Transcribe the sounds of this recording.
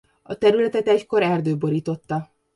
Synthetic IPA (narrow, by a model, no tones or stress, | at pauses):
ɒt̪ɛɾylɛt̪ɛt̪ɛcko̞ɾɛrd̪øːbo̞ɾiːt̪o̞t̪ːɒ